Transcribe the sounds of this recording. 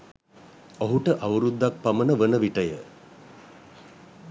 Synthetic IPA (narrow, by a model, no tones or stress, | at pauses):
oɦuʈəʔaʋuɾud̪ːak̚pamənəʋənəʋiʈəjə